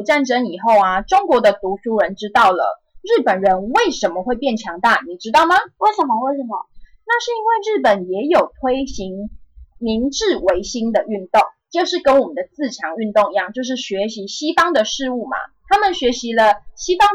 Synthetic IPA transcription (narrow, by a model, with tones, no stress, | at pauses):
u˨˩ʈ͡ʂa˥˧nʈ͡ʂə˥ni˨˩xo˥˩ʊa˩ʈ͡ʂo˥ŋkwɔ˧˥˦d̪ə˧t̪u˧˥ʂu˥ɻə˧˥nʈ͡ʂɻ̩˥t̪ɑ˥˩ʊlə̰˨˩ | ɻ̩˥˩pə˨˩nɻə˧˦nwe˥˩ɪʂə˧˥nmə˨xwe˥˧ɪpjɛ˥˩nt͡ɕʰjɑ˧˥ŋt̪a˥˩ni˨˩ʈ͡ʂɻ̩˥t̪ɑ˥˩ʊma˨we˥˩ɪʂə˨˩mə˧we˥˩ɪʂə˨˩mə̰˨˩ | na˥˧ʂɻ̩˥˩i˥nwe˥˧ɪɻ̩˥˩pə˨˩njɛ˧˥jo˨˩ʊt̪ʰwe˥ɪɕi˧˥ŋmi˧˥ŋʈ͡ʂɻ̩˥˩we˧˥ɪɕi˥ŋd̪ə˨y˥˧nt̪o˥˩ŋt͡ɕo˥˧ʊʂɻ̩˥˩kə˦nwɔ˨˩mə˨˩nd̪ə˩t͡sɹ̩˥˩t͡ɕʰjɑ˧˥˦ŋy˥˧nt̪o˥˧ŋi˧˥jɑ˥˧ŋt͡ɕjo˥˧ʊʂ̬ɻ̩˥˩ɕɥɛ˧˥ɕi˧˦˥ɕi˥fɑ˥ŋd̪ə˨ʂɻ̩˥˧u˥˩ma̰˩t̪ʰa˥mə˨nɕɥɛ˧˥ɕi˧˦lə˧ɕi˥fɑ˥ŋ